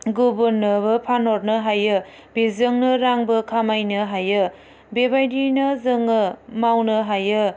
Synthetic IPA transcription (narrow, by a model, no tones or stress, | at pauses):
ɡubunːɯbɯpʰanɔɾnɯɦajɯ | bezɯŋnɯɾaŋbɯkʰamajnɯɦajɯ | bebajdinɯzɯŋɯmawnɯɦajɯ